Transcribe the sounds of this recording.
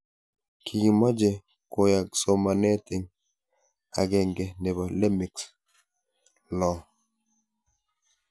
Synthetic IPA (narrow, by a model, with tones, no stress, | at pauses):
kʰi˨ɡi˨ma˦d͡ʒe˨ | ko˨ja˨k̚so˨ma˨ne˦t̪e˨ŋ | a̰˨ɡe˦ŋɡe˨ne˨ba˨le˦mi˨ks | lɔ˨